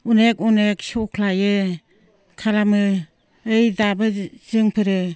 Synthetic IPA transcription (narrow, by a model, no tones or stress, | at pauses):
unekuneksɔkʰlajɯ | kʰalamɯ | ɯjdabɯzɯŋpʰɯɾɯ